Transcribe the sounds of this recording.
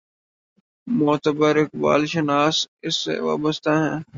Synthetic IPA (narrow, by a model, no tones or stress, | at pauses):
mɔːt̪əbəɾɪk̚ba̰ːlʃənaːsɪsːḛʋa̰ːbəst̪aɦɛ̃ː